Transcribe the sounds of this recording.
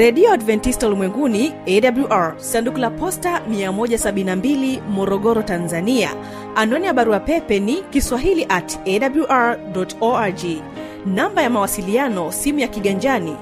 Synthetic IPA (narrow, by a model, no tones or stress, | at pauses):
ɾɛɗiɔadvɛntistaulimwɛŋɡuniɛɗabluʔaɹsandukulapɔstamiamɔʄasaɓinnambilimɔɾɔɠɔɾɔtanzania̰ | anɔnijaɓaɾuapɛpɛnikiswaɦiliʔatɛɗabluʔaɹdɔtɔad͡ʒi | nambajamawasilianɔsimujakiɠaɲd͡ʒani